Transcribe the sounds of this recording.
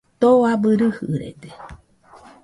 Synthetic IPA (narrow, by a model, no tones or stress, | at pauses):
t̪oabɨɾɨhɨ̰ɾḛd̪e̥